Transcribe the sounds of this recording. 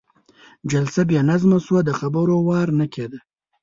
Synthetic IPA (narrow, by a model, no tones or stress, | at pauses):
d͡ʒalsabjɑnazmaswad̪əxabəɾowɑɾnakʰed̪a